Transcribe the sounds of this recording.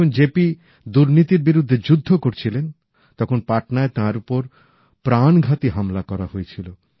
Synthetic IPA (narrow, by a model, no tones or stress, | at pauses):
ond͡ʑepi | d̪uɾnit̪iɾbiɾud̪ʱːed͡ʑud̪ʱːokoɾt͡ɕʰilen | t̪ɔkʰonpaʈnaet̪ãɾupoɾ | pɾanɡʱat̪iɦamlakɔɾahoet͡ɕʰilo